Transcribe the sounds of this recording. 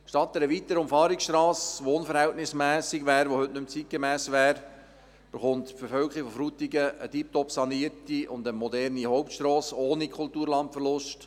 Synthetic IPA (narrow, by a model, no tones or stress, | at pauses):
ʃtɑt̚d̪ɛɾəʋit̪əɾʊmfɑːɾiksʃtɾɑːsʋoːnfəɾhɛltnɪsmæːsɪɡʋæːɾʋohɵtnɵmt͡sit̚ɡ̥əmæːsʋæːɾ | b̥əχʊntfəɾfœlkəʁifɔfɾut̪iɡəʔətip̚tɔpsɑniəɾtiʔʊndəmɔdɛɾnihɔʊptʃtroːsoːnikʰʊltuːɾlɑntfəɾlʊst